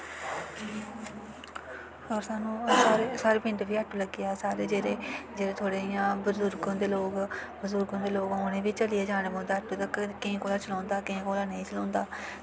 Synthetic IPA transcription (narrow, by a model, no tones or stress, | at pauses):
əɡəɾsaːnũːaːɾeːsaːɾeːpɪ̃ɳʈʋiːəʈːuːləɡɪjaːsaːɾeːd͡ʒeːɾeːd͡ʒeːɾeːt̪ʰoːɽeːjãːbəzʊɾɡõːnd̪eːloːkbəzuɾɡõːd̪eːloːkoːnẽːʋiːt͡ʃəlɪjeːd͡ʒaːñeːmʊd̪aːəʈõːt̪ːkkɪ̃ːkoːlaːt͡ʃəlɔ̃ːnd̪aːkɪĩːkoːlaːnəĩːt͡ʃəlɔ̃ːnd̪aː